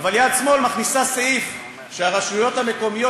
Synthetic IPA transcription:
valjad̪smo̞lmaχnisaseif | ʃeaʁaʃujo̞t̪hame̞ko̞mijo

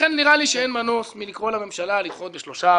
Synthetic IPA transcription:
enniʁaliʃeenmanosmilikʁolame̞mʃalalitχot̪beʃlo̞ʃa

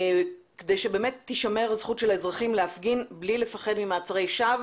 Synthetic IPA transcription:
kedejʃebe̞ːme̞tːiʃame̞ʁzχutʃe̞laezʁaχimleafɡinblile̞faχe̞dmimaːt͡saʁejʃav

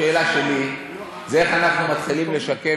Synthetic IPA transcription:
eːlaʃe̞li | zeeχanaχnumat̪χilimle̞ʃake

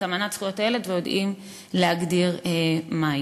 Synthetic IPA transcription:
amanat͡sχujoteletvejodʔim | leɦaɡdiʁema

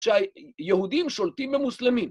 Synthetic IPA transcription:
t͡ʃajehud̪imʃolt̪imbemuslemim

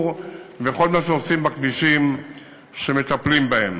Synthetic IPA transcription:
vexo̞lmaʃ̬eosimbakviʃim | ʃe̞met̪aplimbahḛm

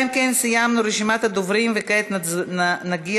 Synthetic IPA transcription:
mkɛnsɛjamnʊɾeʃimat̪əd̪ovɾiːmvɛkɛt̪nnnɐɡi

